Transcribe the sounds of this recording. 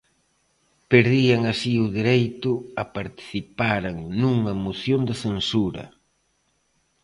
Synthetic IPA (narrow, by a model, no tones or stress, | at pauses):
peɾðiɐŋɐsiʊðiɾejt̪ʊɐpaɾt̪i̥θipaɾaŋnuŋɐmoθjond̪ɐθensuɾɐ̰